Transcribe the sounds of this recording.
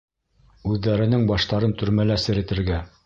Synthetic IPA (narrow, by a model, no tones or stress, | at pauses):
ʉðːæɾɘ̆nɘŋbɑʃt̪ɑɾɤnt̪ɵ̆ɾmælæsɘ̆ɾɘ̆t̪ɘ̆ɾɡæ